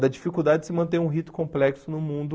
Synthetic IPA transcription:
d̪ɐd͡ʒifikud̪ad͡ʒɪd͡ʒɪsɪmɐ̃nt̪̬ẽɾũɦit̪ʊ̥kõmplɛksʊnʊmũnd̪ʊ

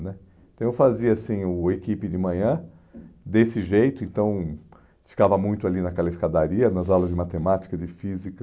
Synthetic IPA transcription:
nɛ̃ | t̪ɐ̃w̃ewfaziɐasĩʊekipɪd͡ʒɪmɐ̃ɲɐ̃ | d̪esɪʒejt̪ʊẽt̪ɐ̃w̃ | fi̥kavɐmũj̃t̪ʊalinɐkɛlɐɪskad̪aɾiɐnɐzawlɐzd͡ʒɪmat̪emat͡ʃi̥kɐd͡ʒɪfizikɐ

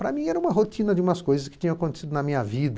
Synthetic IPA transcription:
pɾɐmĩɛɾɐũmɐɦot̪ĩnɐd͡ʒɪũmɐskojzɐskɪ̥t̪ĩɲɐ̃aɐkõnt̪e̥sid̪ʊnɐmĩɲɐvid̪ɐ

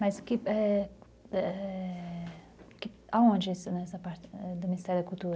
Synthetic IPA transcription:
mɐzkiɛ | ɛ | kɪaõnd͡ʒisunɛsɐpaɾt̪ɛd̪ɐminst̪ɛɾd̪ɐkulˠt̪uɾɐ

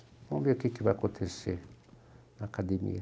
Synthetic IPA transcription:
mõmbiokikiβakotʰese | nakʰademḭe

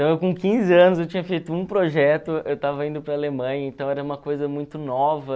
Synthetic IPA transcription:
t̪ɐ̃w̃ewkõkĩzɪɐ̃nʊz̬ewt͡ʃĩɲɐfejt̪ʊũpɾoʒɛt̪ʊewt̪avɐĩnd̪ʊpɾɐːlemɐ̃jɐẽnt̪ɐ̃w̃ɛɾɐũmɐkojzɐmũj̃t̪ʊnɔvɐ

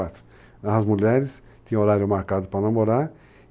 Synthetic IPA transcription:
at̪ɾʊ̥ | ɐzmuʎɛɾɪs | t̪ĩɐ̃oɾaɾjʊmaɾkad̪ʊpɾɐnamoɾa

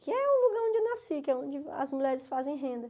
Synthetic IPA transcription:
kɪɛũluɡaɾõd͡ʒɪewnasikɛõd͡ʒɪɐ̰zmuʎɛɾɪsfazẽj̃ɦẽnd̪ɐ

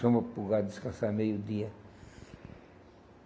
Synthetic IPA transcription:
omapuɡad̪iskasamejud̪ia

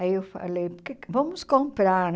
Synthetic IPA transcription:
ɐewfɐ̰lejpkevomʊskõmpɾaɾn

